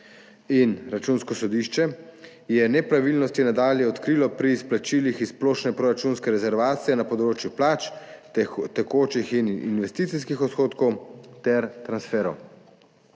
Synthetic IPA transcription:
inɾat͡ʃunskɔsɔd̪iʃt͡ʃɛ | jɛnɛpɾaʋilnɔst̪inad̪aːljɛɔt̪kɾilɔpɾiːsplat͡ʃiːlixisploːʃnɛpɾɔɾat͡ʃunskɛɾɛzɛɾʋaːt̪sijɛnapɔd̪ɾoːt͡ʃjuplaːt͡ʃ | t̪ɛkoːt͡ʃixinḭnʋɛst̪it̪siskixɔt̪xoːt̪kɔwt̪ɛɾt̪ɾansfɛːɾɔ̰w

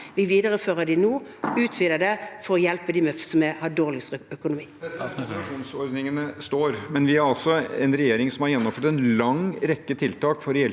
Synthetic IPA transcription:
ʋɪʋiːd̪əʁəføːʁəd̪ɪnuːʉːt̪ʰʋɪd̪əd̪ɛfɔɾɔjɛlpəd̪ɪmɛsɔmɛhɑɖoːʁlɪsœkʊnʊmiː | ʂuːnsɔɾd̪nɪŋənəst̪oːɾmɛnʋɪæɾɑlsɔɛnɾɛjeːɾɪŋsɔmhɑɾjɛnːɔmføːʈt̪ɛnlɑŋɾɛkːət̪ʰɪlt̪ʰɑːkfɔɾjɛl

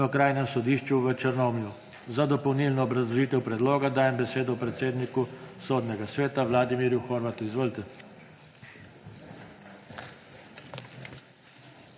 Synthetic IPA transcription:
ɔkɾaːjnɛmsɔd̪iːʃt͡ʃuʋət͡ʃəɾnomlju | zad̪ɔpɔwniːlnɔːbɾazlɔʒiːt̪ɛwpɾɛd̪loːɡad̪aːjɛmbɛseːd̪ɔwpɾɛt̪seːd̪nikusoːd̪nɛɡasʋeːt̪aʋlaːd̪imiːɾjuxɔɾʋat̪uizʋoːlt̪ɛ

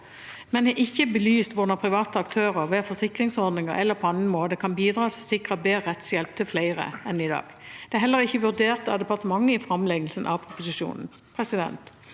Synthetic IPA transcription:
mɛnɛʔɪçːəbəlyːst̪ʋʊnəʁpʰʁɪʋɑːt̪əɑk̚t̪ʰøːʁəʁʋeːfɔsɪkʁɪŋsɔʁd̪nɪŋə̰ɾɛlːəpʰɔɑn̩moːd̪əkʰɑnbiːd̪ʁɑːt̪ʰɪlsɪkʁəbeːʁɛt̪sjɛlp̚t̪ʰəflæɪʁə̰ɛnɪd̪ɑ̰ːɡ̥d̪̥ɛæɾhɛlːəʁɪçːəʋʉʁd̪eːʁt̪ɑʋd̪ɛpɑʁt̪əmɑŋːəɪfʁɑmlɛɡəlsənʔɑ̰ʋpʰʁʊpʊsɪʃṵːnn̩ | pʰʁɛsɪd̪ɛ̰nt̪

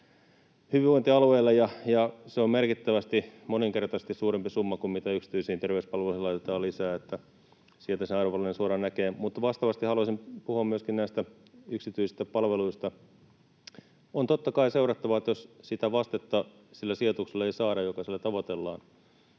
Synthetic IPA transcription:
hyʋiʋoint̪iɑlueːlːɑjɑjɑseommerkit̪ːæʋæst̪imoniŋkert̪ɑse̥st̪issuːrempisumːɑkummit̪æyksi̥t̪yisihint̪erʋeyspɑlʋelusilɑit̪et̪ɑːlisæːet̪ːæ | sielt̪æsenɑruʋɑlːinensuoɾɑnnækeːmut̪ːɑʋɑst̪ɑʋɑst̪ihɑluɑsimpuhuɑmmyøskinnæist̪æ | yksit̪yisist̪æpɑlʋeluist̪ɑ | ont̪ot̪ːɑkɑiseurɑt̪ːɑʋɑet̪jossit̪æʋɑst̪et̪ːɑ | silːæsiot̪ukselːɑeisɑːɾɑjokɑsilːæt̪ɑʋot̪elːɑ̰ːn

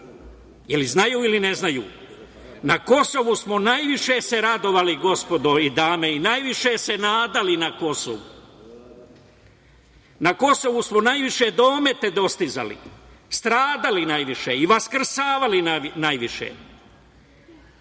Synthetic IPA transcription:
jeliznajuːilineznajṵː | nako̞so̞ʋusmonajʋiʃe̞se̞ɾad̪o̞ʋaliɡo̞spo̞d̪oid̪aːmeinajʋiʃe̞se̞naːd̪alinako̞so̰ʋu | nako̞so̞ʋusmonajʋiʃe̞d̪o̞ːme̞t̪e̞d̪o̞st̪iza̰lḭst̪ɾaːd̪alinajʋiʃeiʋaskr̩saːʋalinajʋiʃḛ

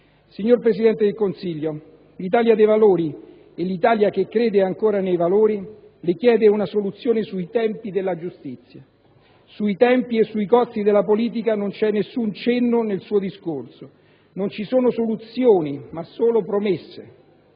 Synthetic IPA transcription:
siɲːorpɾesid̪ɛnt̪ed̪elkonsiʎːo | lit̪aːljad̪ejvaloːɾi | elit̪aːljak̟ekːɾeːd̪eaŋkoːɾanejvaloːɾi | lɪkjɛːd̪eunasolut̪sːjoːnesuit̪ɛmpid̪elːad͡ʒust̪it̪sːja | suit̪ɛmpiesːuikɔst̪id̪elːapoliːt̪̬ikanont͡ʃɛnːesːunt͡ʃenːonelsuːod̪iskorso | nont͡ʃisoːnosolut̪sjoːnimasːoːlopɾomesːḛ

